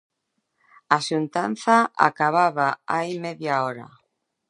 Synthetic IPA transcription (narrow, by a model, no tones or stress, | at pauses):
aʃunt̪an̟θaa̰kaβaβaaimeðjaɔɾa̰